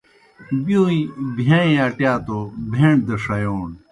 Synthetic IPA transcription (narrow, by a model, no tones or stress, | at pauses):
bioːibʱãːĩaʈjaːt̪obʱeːɳd̪ɐʂɐjoːn